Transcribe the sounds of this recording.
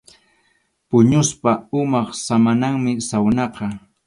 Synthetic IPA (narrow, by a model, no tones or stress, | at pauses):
pʊɲʊspaʊmɑχsamanaŋmɪsawnɑqɑ